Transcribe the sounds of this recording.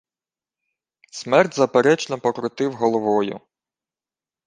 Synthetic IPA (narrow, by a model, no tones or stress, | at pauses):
smɛrtʲzɐpeɾɛt͡ʃnɔpɔkɾɔt̪ɪwɦɔlˠɔʋɔjʊ̰